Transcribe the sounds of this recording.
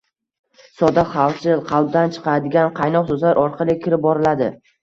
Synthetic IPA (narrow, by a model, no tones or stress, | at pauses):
sɒd̪aχɑlsɪzqʰɑlˠb̚d̪ant͡ʃʰɨ̥qʰɑɾad̪ɪɡʲanqʰɑjnɒqsɵzlaɾʔɒɾqʰɑlˠɪkʲʰɪɾɪp̚bɒɾɪlad̪ɪ